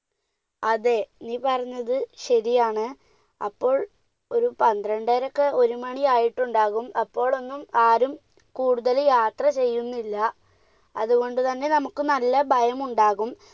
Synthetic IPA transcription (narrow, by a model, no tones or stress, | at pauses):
ɐðe̞niːpɐrɐɲːɐðɨɕɐɾijaːɳɨ | ɐ̰pːo̞ːɭ | o̞ɾupɐnd̪rɐɳɖeːɾɐkːeo̞ɾumɐɳiaːjiʈːuɳɖaːɣumɐpːo̞ːɭo̞nːumaːɾum | kuːɽuðɐljaːt̪rɐt͡ɕe̞jːunːilːɐ | ɐðuɣo̞ɳɖɨt̪ɐnːe̞nɐmukːɨnɐlːɐbʱɐjɐmuɳɖaːɣum